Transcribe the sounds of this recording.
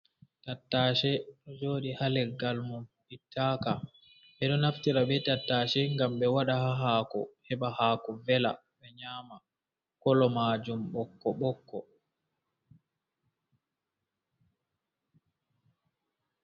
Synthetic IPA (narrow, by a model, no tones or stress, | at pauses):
tatːaːʃɛɗɔd͡ʒoːɗihalɛɡalmumbitʰːaːka | ɓɛɗɔnaftiɾaɓɛtatːaːʃɛŋɡamɓɛwaɗahaɦaːkɔ̰hɛɓahaːkɔvɛla̰ | ɓɛɲaːma | kɔlɔmaːd͡ʒumɓɔkːɔɓɔkːɔ